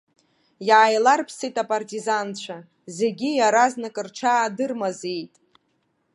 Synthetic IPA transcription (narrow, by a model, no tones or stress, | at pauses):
jaːjlarpʰsijtʼapʼartʼizant͡ɕʷʰa | ze̞ɡʲijaɾaznakʼɨrʈ͡ʂʰaːdɨrmazejtʼ